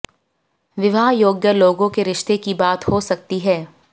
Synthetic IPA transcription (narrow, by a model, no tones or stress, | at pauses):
ʋɪʋaːɦjoːɡjəloːɡõkeɾɪʃt̪ekibaːt̪hosɐk̚t̪iɦɛː